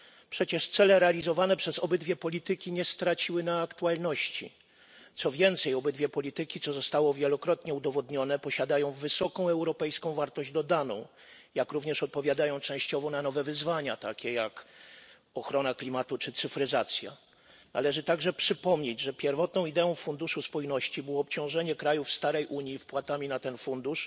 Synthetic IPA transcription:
pʂɛt͡ɕɛʂt̪sɛlɛɾɛalʲizɔvanɛpʂɛzɔbɘd̪vʲjɛpɔlʲit̪ɘkʲiɲɛst̪ɾat͡ɕiwɘnaːkt̪ualnɔɕt͡ɕḭ | t̪sɔvʲjɛnt̪sɛjɔbɘd̪vʲjɛpɔlʲit̪ɘkʲit̪sɔzɔst̪awɔvʲjɛlɔkɾɔt̪ɲɛud̪ɔvɔd̪ɲɔnɛpɔɕad̪ajɔ̃w̃vɘsɔkɔ̃w̃ɛwɾɔpɛjskɔ̃w̃vaɾt̪ɔʑd͡ʑd̪ɔd̪anɔ̰̃w̃ | jakɾuvɲɛʂɔt̪̚pɔvʲjad̪ajɔ̃w̃t͡ʂɛ̃w̃ɕt͡ɕɔvɔnanɔvɛvɘzvaɲat̪akʲɛjak | ɔxɾɔnaklʲimat̪ut͡ʂɘt̪sɘfɾɘzat̪sʲja̰ | na̰lɛʐɘt̪aɡʐɛpʂɘpɔmɲed͡ʑʐɛpʲjɛɾvɔt̪nɔ̃w̃id̪ɛɔ̃w̃fund̪uʂuspɔjnɔɕt͡ɕibɘwɔːpt͡ɕɔ̃w̃ʐɛɲɛkɾajufst̪aɾɛjʔuɲjifpwat̪amʲinat̪ɛnfund̪uʂ

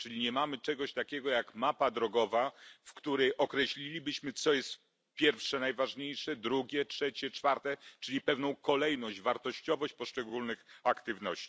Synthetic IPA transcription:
t͡ʂɘlʲiɲɛmamɘt͡ʂɛɡɔɕt̪akʲɛɡɔjakmapad̪ɾɔɡɔvafkt̪uɾɛjʔɔkɾɛɕlʲilʲibɘɕmɘt̪sɔjɛst̪ | pʲjɛɾfʂɛnajvaʐɲejʂɛd̪ɾuɡʲɛtʂɛt͡ɕɛt͡ʂfaɾt̪ɛt͡ʂɘlʲipɛvnɔ̃w̃kɔlɛjnɔɕd͡ʑvaɾt̪ɔɕt͡ɕɔvɔɕt͡ɕpɔʂt͡ʂɛɡulnɘxakt̪ɘvnɔɕt͡ɕi̥

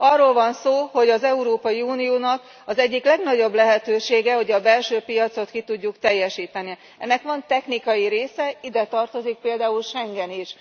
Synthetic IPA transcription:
ɒrːoːlvɒnsoːho̞ɟɒzɛuɾoːpɒjiuːnijoːnɒk | ɒzɛɟːiklɛɡnɒɟo̞blɛɦɛt̪øːʃeːɡɛho̞ɟɒbɛlʃøːpijɒt̪so̞t̪kit̪uɟːukt̪ɛjːɛʃiːt̪ɛni | ɛ̰nːɛkʋɒnt̪ɛxnikɒjiɾeːsɛid̪ɛt̪ɒrt̪o̞zik̚peːld̪aːulʃɛŋɡɛniʃ

